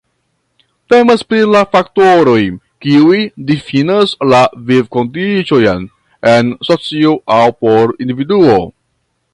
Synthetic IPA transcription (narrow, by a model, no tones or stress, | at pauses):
te̞maspɾilafaktoɾo̞j | kiujdifinaslavivkondit͡ʃojan | ensot͡sioʔawpo̞ɾindividuo̞